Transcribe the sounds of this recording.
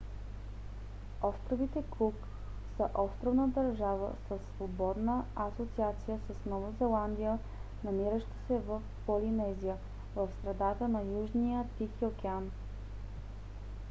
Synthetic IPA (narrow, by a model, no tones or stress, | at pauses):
ɔst̪ɾovit̪ɛkuk | səʔɔst̪ɾovnəd̪ɐɾʒavə̰səsːvobɔd̪nəɐsot̪siat̪sijəsəsnɔvozɛlˠand̪ijə | nɐmiɾəʃt̪ə̥sɛvəfpolinɛzijə | vəfst̪ɾɛd̪at̪ənɐjuʒnijət̪ixiokʲɛan